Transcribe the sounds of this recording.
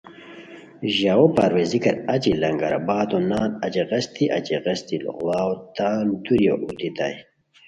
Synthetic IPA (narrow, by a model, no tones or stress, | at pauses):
ʑawopaɾwezikɐɾɐt͡ɕilɐŋɡɐ̰ɾa̰baːt̪onaːnɐt͡ɕeʁɐst̪iʔɐ̰t͡ɕeʁɐst̪il̰ɣwaːwot̪aːld̪uɾjo̰ʔut̪it̪a̰j